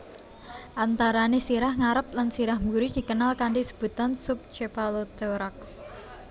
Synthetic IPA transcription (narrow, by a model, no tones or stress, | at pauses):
ʔant̪aɾanesiɾahŋaɾəp̚lansiɾahmbuɾid̪̥i̤kənalkaɳɖisə̥b̥ut̪ansʊp̚t͡ʃepalod̪̥ɛɾaks